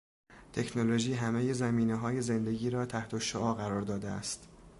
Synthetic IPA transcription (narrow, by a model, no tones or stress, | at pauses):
t̪ʰe̞cʰnolo̞ʒiːɦæme̞jezæmiːneɦɒːje̞ze̞nd̪e̞ɟiːɾɒːt̪ʰæht̪ʰoʃoʔɒːɣæɾɒːɾd̪ɒːd̪eæ̰st̪